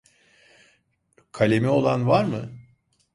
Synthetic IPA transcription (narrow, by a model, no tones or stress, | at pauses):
kʰalʲemɛo̞lˠanvaɾmɯ